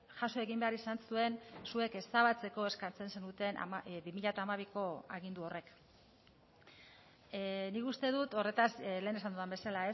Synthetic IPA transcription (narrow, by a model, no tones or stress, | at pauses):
ʝaso̞eɣimbe̞aɾisansue̞nsue̞ke̞st̪aβ̞at͡se̞ko̞e̞skant͡se̞nse̞nut̪e̞nʔa̰mabimiʎat̪aːmaβ̞iko̞aɣind̪uo̞re̞k | nikust̪e̞ðut̪o̞re̞t̪asle̞ːne̞sand̪uðambe̞salae̞s